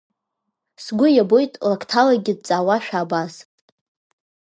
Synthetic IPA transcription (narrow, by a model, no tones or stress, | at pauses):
sɡʷʊjabo̞jtʼlakʰtʰalaɡʲɪd̚t͡sʼaːwaʃᶣaːbaz